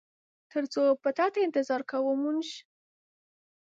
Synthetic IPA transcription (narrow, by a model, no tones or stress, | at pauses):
t̪əɾt͡sopət̪ɑt̪aɪnt̪ɪzɑɾkawumunʃ